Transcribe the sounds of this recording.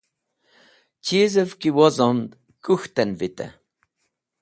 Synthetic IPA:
t͡ʃiːzəvkiwɔzɔnd̪ | kuxt̪ɛnvit̪ɛ̰

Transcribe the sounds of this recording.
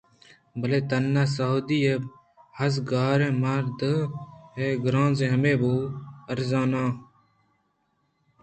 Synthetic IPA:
bəleːt̪ənːaːsəɦoːd̪iːe | həs̬ɡaːɾẽːmaːɾd̪əɦeːɡɾãːnzẽːɦəmẽːboːəɾzaːnãː

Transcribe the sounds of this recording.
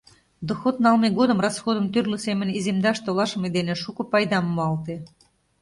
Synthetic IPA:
d̪oxot̪̚nɑlmeɣod̪əmrɑsxod̪əmt̪ørlusemə̆nizemd̪ɑʃt̪olɑʃəmed̪eneʃukopɑjd̪ɑmːoɑlt̪e

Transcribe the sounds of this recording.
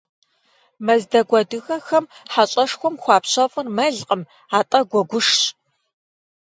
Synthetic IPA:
mɐzdɐɡʷɐdɨxɐxɐmħaɕʼɐʂxʷɔmxʷɑːpɕɐfɨrmɐɮqʼəm | aːtʼɐɡʷɔɡʷʊʂɕʼ

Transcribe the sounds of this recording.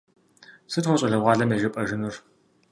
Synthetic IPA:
sɨtχʷɔɕʼɐɮɐʁʷɑːɮɐmeʒɐpʼɐʒɨnur

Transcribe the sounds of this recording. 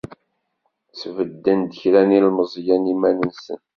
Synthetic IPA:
t͡svəd̪ːənd̪əçɾænilməzˤjænimænənsə̰n

